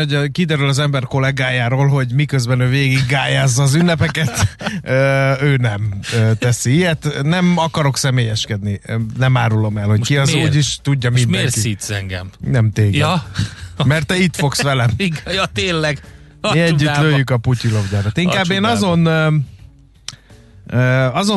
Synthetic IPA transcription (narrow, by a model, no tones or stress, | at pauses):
oɟkid̪ɛɾylɒzɛmbɛrko̞lɛɡaːjaːɾoːlɦo̞ɟmikø̞zbɛnøːveːɡiɡːaːjaːzːɒːzynːɛpɛkɛt̪øːøːnɛmøːt̪ɛsiijɛt̪nɛmɒkɒɾo̞ksɛmeːjɛʃkɛd̪ninɛmaːɾulo̞mɛlho̞ckiɒzuːɟiʃt̪uɟːɒmindmekiit̪sɛŋɡɛ̰mnɛmt̪eːɡɛ | mɛrt̪ːɛit̪fo̞ksʋɛlɛjt̪eːnlɛɡ | eɛɟːyt̪løøːjjːykɒpucilo̞vɟaːɾot̪iŋkaːbːeːnɒzo̞n | ɒzo